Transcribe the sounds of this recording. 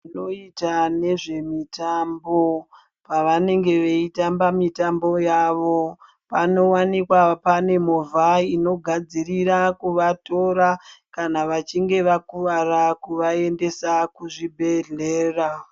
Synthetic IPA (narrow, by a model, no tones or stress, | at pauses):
ino̞itane̞ʐe̞mitambo̞ | paʋane̞ŋɡe̞ʋeitambamitambo̞jaʋo̞ | pano̞wanikwapane̞movʱaino̞ɡʱad͡zirirakuʋato̞ɾakanaʋat͡ʃiŋɡe̞ʋakuʋarakuʋae̞nde̞sakuʐibʱe̞ɮe̞ːra